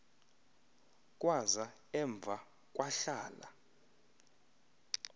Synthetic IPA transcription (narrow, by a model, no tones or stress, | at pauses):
kʼwaza | ɛɱb̪vʱa | kʼwaɬaːla̰